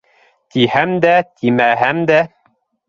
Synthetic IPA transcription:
t̪ihæmd̪æt̪ʰimæɦæmd̪æ

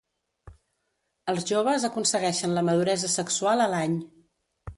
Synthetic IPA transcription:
əlˠzʒoβ̞əzəkunsəɣɛʃənləməð̞uɾɛzəsəksualˠəlaɲ

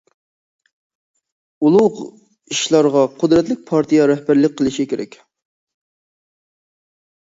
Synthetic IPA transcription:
ulˠʊʁ | iʃlˠɑɾʁɑqʰʊd̪ɾɛt̪lɪk̚ʲpʰɑɾt̪ʰijɑɾɛhbæɾlɪk̚ʲqʰəlˠɪʃikʲʰeɾɛ̰kʲ

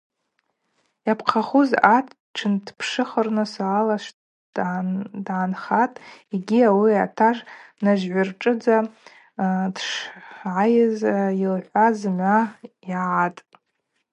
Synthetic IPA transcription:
japʰqʰaχuzatʰ | ʈ͡ʂʰɨndpʰʂɨχərnɨsaːlaʃʷ | dʕaːnχatʼiɡʲiawiatʰaʐnaʒʕʷarʈ͡ʂʼɨd͡za | dʂʕajɪzilħʷazma | iʕatʼ

